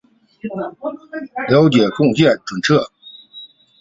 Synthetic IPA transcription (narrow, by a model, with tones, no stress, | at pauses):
ljɑ˧˥ʊt͡ɕjɛ˨˩kʊ˥˧ŋt͡ɕjɛ˥˩nʈ͡ʂwə˨˩nʈ͡ʂʰɤ˥˩